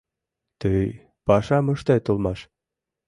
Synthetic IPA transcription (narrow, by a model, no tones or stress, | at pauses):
t̪əj | pɑʃɑmɤ̆ʃt̪et̪olˠmɑʃ